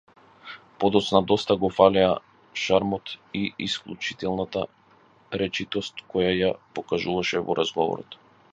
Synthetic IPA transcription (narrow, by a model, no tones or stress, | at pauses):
pɔd̪ɔt̪snad̪ɔst̪aɡɔfalɛa | ʃaɾmɔt̪iisklˠut͡ʃi̥t̪ɛlˠnat̪a | ɾɛt͡ʃit̪ɔst̪kɔjajapɔkaʒuvaʃɛvɔ̰ɾʔazɡɔvɔ̰ɾɔ̰t̪